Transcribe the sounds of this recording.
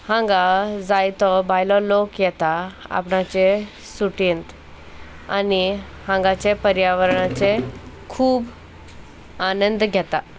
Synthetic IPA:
hãŋɡad͡zajt̪ɔbajlɔlokjɛt̪aa̰pɳat͡ɕe | suʈint̪ | a̰ni | hãŋɡat͡ɕepəɾjaʋəɾɳat͡se | kʰuːb | anənd̪ɡʱɛt̪a

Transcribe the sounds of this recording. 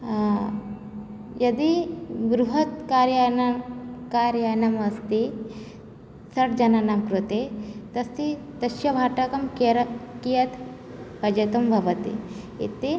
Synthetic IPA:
jʔɐd̪ibɾuɦɐt̪kaːɾjankaːɾjanɐmɐst̪i | sɐʈd͡ʒɐnanamkɾut̪et̪ɐst̪i | t̪ɐʃjɐbʱaːʈɐkɐmkeɾɐkijɐt̪ | pɐd͡ʒɐt̪umbʱɐʋɐt̪ḭ | ḭt̪e

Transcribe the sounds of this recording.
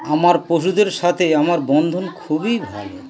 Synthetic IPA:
amaɾpoʃ̬ud̪eɾʃat̪ʰeamaɾbɔnd̪ʱonkʰubibʱa̰lo

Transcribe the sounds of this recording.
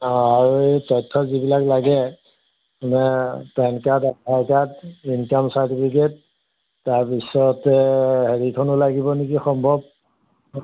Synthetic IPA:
aɹutɔjtʰːɔzibilaklaɡɛ | anɛpɛnkatapʰajkatinkamsaɹtipʰik̬et̚ː | aɹpisɔtɛɦeɹikʰɔnʊlaɡibɔnikixɔmbʱɔb̚

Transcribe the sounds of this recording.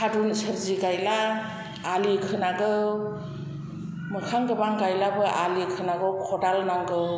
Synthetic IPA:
kʰadunsɯɾziɡajlaː | likʰɯnaɡɯw | mɯkʰaŋɡɯbaŋɡajlabɯʔalikʰɯnaɡɯwkʰɔdalnaŋɡɯw

